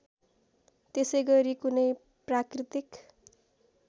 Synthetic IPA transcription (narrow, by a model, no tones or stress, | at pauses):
t̪esʌjɡʌɾikunʌj | prakrit̪ik